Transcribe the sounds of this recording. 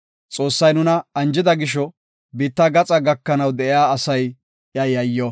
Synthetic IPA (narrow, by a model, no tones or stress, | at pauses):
t͡sʼo̞ːsːɐjnʊnɐɐnd͡ʒɪd̪ɐɡɪʃ̬ɔ | biːt̪ːɐɡɐt͡sʼɐɡɐkːɐnɐwd̪ɛʔɪjaːɐsɐj | jɐjɐjːɔ